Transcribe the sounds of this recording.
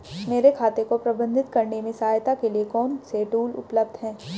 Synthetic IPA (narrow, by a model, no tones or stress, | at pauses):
meːɾekʰaːt̪ekopɾɐbə̃nd̪ʱɪt̪kɐɾnemẽsaːjt̪akeliekɔːnseʈuːlʊ̰pləbd̪ʱɦɛ̃ː